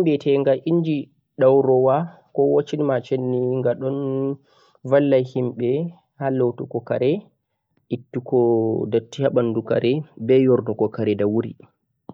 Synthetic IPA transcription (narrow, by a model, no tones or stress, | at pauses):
himbɛtʰɛŋɡaʔind͡ʒi | ɗawɾɔwa | kɔwot͡ʃːinimat͡ʃenːiŋɡaɗɔn | valːajhimɓɛ | halowtukɔkaɾɛ | ʔitːukɔdatːihaɓanduka̰ɾɛbɛjɔɾdɔkɔkaɾɛdawuɾḭ